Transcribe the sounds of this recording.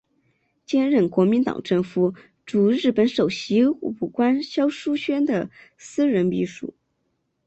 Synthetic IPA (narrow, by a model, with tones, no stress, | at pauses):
t͡ɕjɛ˥nɻə˥˩nkwɔ˧˥mi˧˥nt̪ɑ̰˨˩ŋʈ͡ʂɤ˥˩ŋfu˧˥ | ʈ͡ʂu˨˩ɻɻ̩˥˩pə˧˥nʂo˨˩ʊɕi˧˥u˨˩kwa˥nɕjɑ˥ʊʂu˥ɕɥɛ˥nd̪ə˨sɹ̩˥ɻə˧˥npi˧˥ʂṵ˨˩˦